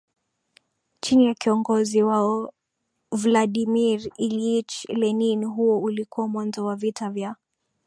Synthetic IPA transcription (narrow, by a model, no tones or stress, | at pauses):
t͡ʃinijakiɔŋɡɔziwaɔ | vlaɗimiɾiliit͡ʃlɛninɦuɔulikuwamwanzɔwavitavja